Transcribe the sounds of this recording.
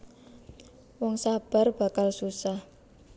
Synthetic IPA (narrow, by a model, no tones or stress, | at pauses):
wɔŋsab̥a̤rb̥a̤kalsusah